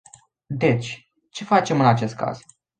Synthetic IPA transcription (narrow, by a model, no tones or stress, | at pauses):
d̪e̞t͡ʃʲ | t͡ʃe̞fat͡ʃe̞mɨnat͡ʃe̞st̪̚ka̰z̥